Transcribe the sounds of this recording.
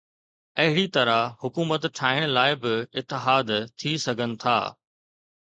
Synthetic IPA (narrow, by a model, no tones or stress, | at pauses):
ɐɦɪɽit̪ɐɾahʊkuːmət̪ʈʰaːɦɪɽ̃laːɪbɪɪt̪ːɪɦaːd̪t̪ʰisɐɡʱənɪ̆t̪ʰa̰ː